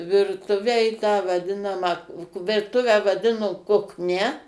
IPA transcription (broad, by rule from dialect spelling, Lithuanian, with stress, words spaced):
ˈʋʲɪrtʊʋʲæː ɪ tɑː ʋɐˈdʲɪnɐmɑː ʋʲɪrˈtʊʋʲæː ʋɐˈdʲɪnoː kʊkˈnʲɛ